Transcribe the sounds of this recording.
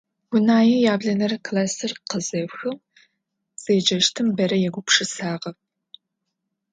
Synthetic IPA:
ɡ̥ʷʊnaːjijaːbɮɐnɐrkʰlaːsɨrqəzɐwxɨw | z̥eːd͡ʒɐʃtʰɨmbɐɾɐjɛɡʷʊpʂɨsaːʁɐp̚

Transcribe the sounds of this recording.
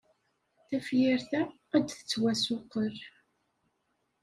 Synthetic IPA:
θæfjɪɾθæː | d̪θə̥t͡sːwæsʊqəɾ

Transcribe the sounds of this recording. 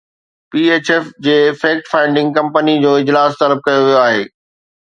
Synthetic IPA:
piːeːt͡ɕɛfd͡ʑeːfeːk̚ʈfãːɪ̃ɳɖɪ̃ŋɡ̚kɐ̃mpənid͡ʑoːɪd͡ʑlaːst̪ɐləb̚kɐjoʋijoaːɦeː

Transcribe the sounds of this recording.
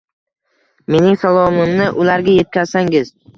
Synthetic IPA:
me̞nɪŋsalˠɒmɪmnɪʔʊlaɾɡʲaje̞t̪̚kʲazsaŋɪz̥

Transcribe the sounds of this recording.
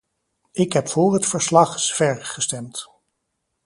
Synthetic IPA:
ɪkɦɛpfʊːɹɦətfəɹslɑχsfɛɹχəstɛmt

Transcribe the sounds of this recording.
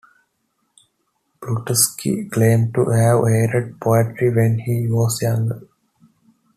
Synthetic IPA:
b̥ɾuʈəskʰḭklẽːmʈuhæʋeːɾəɖ̚pʰɔəʈɾiʋɛ̃nhiːʋɔːsjãŋɡ

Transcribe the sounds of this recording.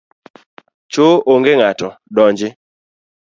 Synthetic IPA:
t͡ʃooŋɡeŋatɔdɔɲd͡ʒɪ

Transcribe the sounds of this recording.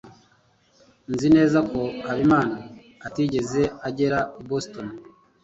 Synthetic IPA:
nzine̞ːzako̞kaβimaːnaː | tiɟe̞ze̞aɟe̞ɾabosto̞n

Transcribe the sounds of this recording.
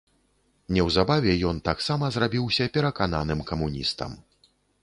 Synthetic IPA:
nʲɛwzabavʲɛjɔnt̪aksamɐzrabʲiwsʲɐpʲɛɾɐkan̪a̰nɨmkɐmunʲḭst̪ɐ̰m

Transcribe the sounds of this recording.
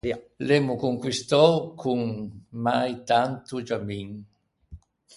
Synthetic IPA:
lemukuŋkwist̪ɔwkʰuŋmajt̪ant̪ud͡ʒamiŋ

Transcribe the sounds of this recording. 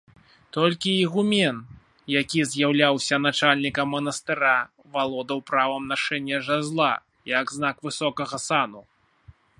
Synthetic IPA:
t̪ɔlʲkʲiiɣumʲɛn | jakʲizʲjawlʲawsʲɐn̪at͡ʂalʲnʲikɐmːɐnɐst̪ɨɾa | valˠɔd̪ɐwpɾavɐmnaʂɛnʲːɐʐazlˠa | jɐɡznakvɨsɔkɐɣɐsanu

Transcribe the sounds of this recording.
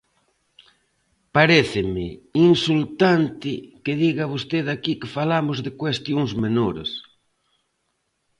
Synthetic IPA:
paɾeθɪmɪinsult̪ant̪ɪkɪðiɣaβost̪eðakikɪfalamʊzðɪkwest̪joŋzmenoɾḛs

